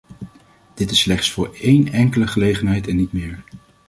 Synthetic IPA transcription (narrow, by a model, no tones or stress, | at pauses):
d̥ɪtɪsːlɛχtsfʊːɹejnɛŋkələχəlejχənɦɛjtɛnːitmɪːɹ